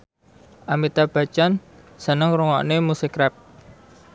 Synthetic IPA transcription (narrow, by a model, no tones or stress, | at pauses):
ʔamit̪ab̥a̤t͡ʃan | sənəŋɾuŋɔ̰ʔnemusikɾɛp̚